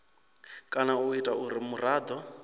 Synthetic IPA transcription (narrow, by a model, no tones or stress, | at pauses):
kʼanauitʼauɾimuraːd̪ɔ